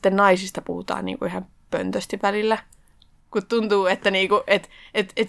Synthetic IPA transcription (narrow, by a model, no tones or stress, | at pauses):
t̪ːennɑisist̪ɑpuhut̪ɑ̰ːnḭːŋkuihɑm | pø̰nt̪øst̪iʋʋælilːæ | kut̪t̪unt̪uːet̪ːæniːkuʔet̪et̪et̪